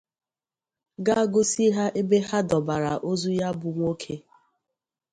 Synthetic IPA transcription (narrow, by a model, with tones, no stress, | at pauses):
ɡa˦ɡʊ˦si˦ɦa˦ʔe˦be˦ha˦dɔ˨ba˨ɾa˨ʔo˦zu˦ja˦bʊ˨ŋʷo˦kʰe˦